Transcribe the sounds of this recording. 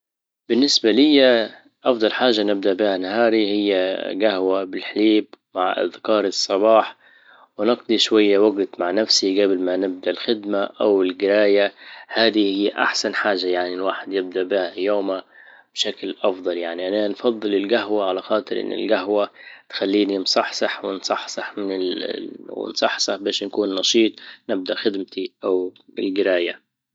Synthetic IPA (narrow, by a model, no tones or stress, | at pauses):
b̥ɪnːɪsbalɪjːa | ʔɑfd̪ˤɑlħaːʒːanɪb̚d̪aʔbɪhanahɑːɾihɪjːaɡahwabɪlħaliːbmaʕʔa̰ðkɑːɾˤɨsˤːɑbɑːħ | wɪnɑqd̪ˤiʃwajːawaɡt̪maʕnafsiɡablmanɪb̚d̪aʔɪlxɪd̪maʔawɪlɡɪɾaːjahaːd̪ihijːʔa̰ħsanħaːʒːajaʕnilwaːħɪd̪jɪb̚d̪aʔbɪhajoːma | b̥ʃaklʔɑfd̪ˤɑljaʕniʔananfɑðˤːɨlɪlɡaɦwaʕalaxɑːt̪ˤɨɾʔɪ̰nːɪ̰lɡaɦwat̪xalːiːninsˤɑħsˤɑħwɪnsˤɑħsˤɑħmɪnɪ | wɪ̰nsˤɑħsˤɑħbeːʃnakuːnːɑʃiːt̪ˤnɪb̚d̪aʔxɪd̪mt̪iʔawɪ̰lɡɪɾaːja